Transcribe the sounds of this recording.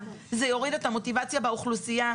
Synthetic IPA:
zejo̞ʁidetamo̞tivat͡sjabeuχlusija

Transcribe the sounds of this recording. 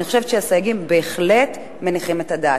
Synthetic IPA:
niχoʃevt͡ʃʃeasajaɡimbe̞ːχle̞t | me̞niχime̞tada

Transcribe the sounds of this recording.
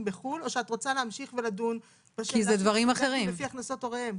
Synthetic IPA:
mbeχulo̞ʃeatʁo̞t͡saleamʃiχve̞ladun | b̥aʃkized̪vaʁimaχeʁimefiaχnaso̞to̞ʁeem

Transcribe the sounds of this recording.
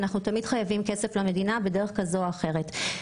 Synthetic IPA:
naχnutamidχajavimkese̞flame̞dinabedeʁeχkazoaχe̞ʁet

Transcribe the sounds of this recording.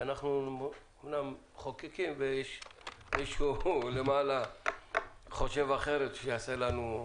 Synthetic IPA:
anaχnu | omnam | χokikimvejeʃmiʃulemaːla | χoʃe̞vaχeɾet̪ʃeaselanu

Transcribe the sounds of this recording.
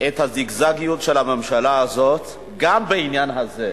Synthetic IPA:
et̪haziɡzaɡijutʃelhamemʃalaːzo̞t̪ | ɡambeinjanɦaze

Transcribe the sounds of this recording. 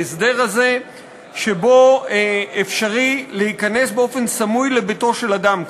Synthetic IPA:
esde̞ʁhaze̞ | ʃe̞bo̞ | efʃaʁilehikane̞sbeo̞fe̞nsamujlebeto̞ʃe̞lad̪am

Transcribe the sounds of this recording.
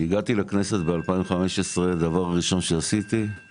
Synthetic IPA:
iɡat̪ilakne̞set̪bealpaĩmχameʃesʁead̪avaʁʁiʃo̞nʃeasit̪i

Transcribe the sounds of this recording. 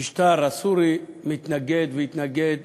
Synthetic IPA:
iʃt̪aɾasuɾimit̪naɡed̪veit̪naɡed̪

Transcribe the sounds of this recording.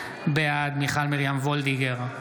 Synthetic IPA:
bead̪miχalmiʁjamvold̪iɡeʁ

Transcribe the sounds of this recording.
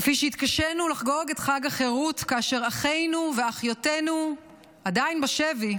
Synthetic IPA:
fiʃeit̪kaʃenulaχɡo̞ɡetχaɡaχeʁutkaaʃe̞ʁaχe̞jnuveaχjote̞nu | adajnbaʃevi

